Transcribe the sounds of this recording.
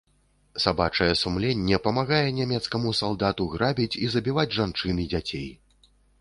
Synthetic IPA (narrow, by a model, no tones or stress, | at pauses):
sabat͡ʂɐjɛsumlʲenʲːɛpɐmaɣajɛnʲamʲɛt̪skɐmusalˠd̪at̪uɣɾabʲit͡sʲizɐbʲivad͡zʲʐant͡ʂɨnɨd͡zʲat͡sʲḛj